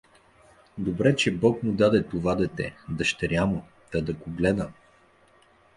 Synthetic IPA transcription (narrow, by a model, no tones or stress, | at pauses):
d̪obɾɛt͡ʃɛbɔkmʊd̪ad̪ɛt̪ovad̪ɛt̪ɛ̰d̪ɐʃt̪ɛɾʲjamʊ | t̪ɐd̪ɐkʊɡlɛd̪ə